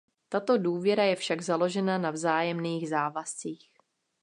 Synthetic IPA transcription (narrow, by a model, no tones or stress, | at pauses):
t̪at̪o̞duːvjɛɾajɛfʃaɡzalo̞ʒɛnanavzaːjɛmniːɣzaːvast͡siːx